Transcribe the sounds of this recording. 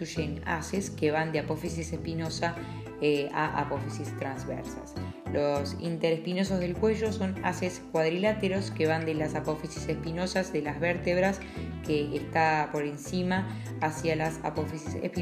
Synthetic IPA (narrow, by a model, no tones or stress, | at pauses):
uʃena̰seskeβand̪eapo̞fisisespino̞sa | ea̰ʔa̰pofisist̪ɾanzβɛ̰ɾsa̰s | lo̞sḭnt̪eɾespino̞s̬ozð̞elkwe̞ʒo̞so̞na̰seskwað̞ɾilat̪eɾo̞skeβand̪elasapo̞fisisespino̞sazðe̞lazβɛɾt̪eβɾas | keːst̪apo̞ɾe̞nsima | asjalasa̰pofisisḛhp